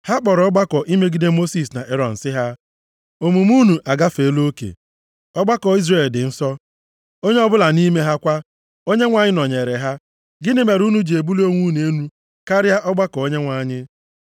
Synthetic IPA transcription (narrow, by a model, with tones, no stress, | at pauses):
ha˦k͡pɔ˨ɾɔ˦ɡ͡ba˦kɔ˨ʔi˦me˦ɡi˦de˦mo˦si˨sna˨ʔe˦ɾɔ˨n̩˨sɪ˦ɦa˦ | o˨mu˨m˦u˦nu˨ʔa˨ɡa˦fe˨˦lo˦kḛ˨ | ɔ˦ɡ͡ba˦kɔ˨i˦zre˨ldɪ˨n̩˦sɔ˦ | o˦ɲe˦ɔ˦bʊ˦la˨ni˦me˦ɦa˦kʷa˦ | o˦ɲe˦ŋʷa˨ɲɪ˦nɔ˨ɲe˨ɾe˨ɦa˦ | ɡɪ˦nɪ˦me˨ɾu˦nu˦d͡ʒe˨bu˦li˦o˦ŋʷu˦n˨e˦nu˦ | ka˦ɾja˦ʔɔ˦ɡ͡ba˦kɔ˨o˦ɲe˦ŋʷa˨˦˨ɲɪ˦